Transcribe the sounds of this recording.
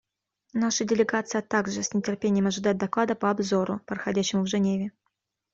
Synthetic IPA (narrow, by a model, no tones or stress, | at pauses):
naʂɨdʲɪlʲɪɡat̪sɨjət̪aɡʐɨsʲnʲɪtʲɪrpʲenʲɪjəmɐʐɨd̪ajt̪̚d̪ɐklˠad̪əpəɐbzoɾʊpɾəxɐdʲæɕːɪmʊvʐɨnʲevʲɪ